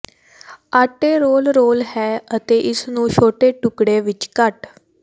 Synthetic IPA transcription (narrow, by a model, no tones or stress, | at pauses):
aːʈeːɾoːlɾoːlhɛːət̪eːʔɪsnũːt͡ʃʰoːʈeːʈʊkɽeːʋɪt͡ʃkəʈ